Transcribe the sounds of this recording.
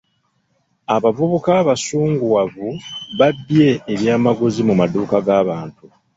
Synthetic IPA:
aβavuβukaːβasuːŋɡuwavuβabje̞ːβjaːmaɡozimumaduːkaɡaːβaːntu

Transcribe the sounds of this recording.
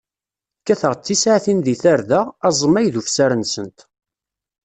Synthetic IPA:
kːæθəʁt͡sːisʕθinðiθaɾðəʁæzˤmːæjðufsæɾənsənt̪

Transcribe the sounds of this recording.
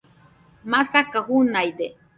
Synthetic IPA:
masakahunajd̪e

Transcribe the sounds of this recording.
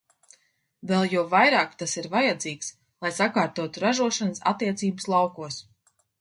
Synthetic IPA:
vɛlˠjuɔvajɾaːkt̪asiɾvajad̪ziːks | lˠajsakaːɾt̪uɔt̪uɾaʒuɔʃanəsa̰t̪ːiɛt̪siːbəslˠɑwkuɔs

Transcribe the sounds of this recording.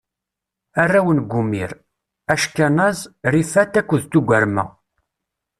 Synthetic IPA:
ærːæwənɡʷumḭɾ | æʃkænæzɾifæt̪ːækʷːəðt̪uɡʷæɾmæ̰

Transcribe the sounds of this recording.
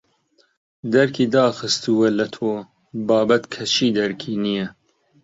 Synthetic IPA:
d̪ɐɾkʰiːd̪ɑːxɨst̪uwɛlɐt̪ʰoː | bɑːbɐt̪kʰɐʃiːd̪ɛɾkʰiːnijɛ

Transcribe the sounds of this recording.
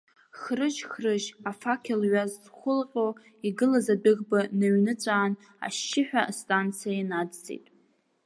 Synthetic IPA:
χrɨʒχrɨʒafakʲʰelɥazzχʷʊlqʲʼo | iɡɨlazadɨɣbanaɥnɨt͡sʷʼaːn | a̰ʃːɪħᶣastʼant͡sʰijaanad͡zt͡sʼḛjtʼ

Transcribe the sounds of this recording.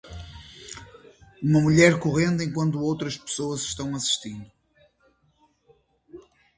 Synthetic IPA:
umɐmuʎɛɾkuʁẽnd̪ẽŋkwɐ̃nt̪uowt̪ɾɐʃpɨ̥soɐzʃt̪ɐ̃w̃ɐsi̥ʃt̪ĩnd̪u

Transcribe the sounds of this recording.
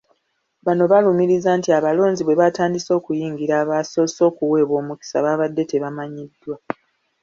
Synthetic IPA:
βano̞βalumiɾizaːntiaβalo̞ːɲziβwe̞βataːndiso̞ːkujiːŋɡiɾaːβaso̞so̞ːkuwe̞ːβwo̞ːmuki̥sa̰βaːβadːe̞te̞βamaɲidːwa

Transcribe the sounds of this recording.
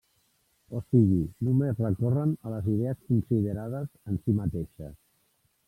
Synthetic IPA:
osiɣinumezrəkɔrənələziðeəskunsiðəɾaðəzənsimət̪eʃə̰s

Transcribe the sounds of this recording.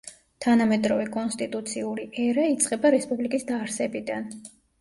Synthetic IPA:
t̪ʰanamɛd̪ɾɔvɛkʼɔnst̪ʼit̪ʼut̪sʰiuɾiʔɛɾait̪sʼqʼɛbaɾɛspʼublikʼisd̪aːɾsɛbid̪an

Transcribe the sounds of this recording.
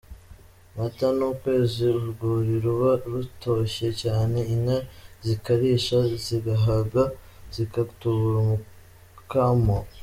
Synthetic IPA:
matanuːkwe̞ːziuɾɡuːɾiɾuβaɾuto̞ʃe̞caːne̞inazikaɾiːʃaziɡaɦaɡaz̥ikatuβuɾumu | kamo

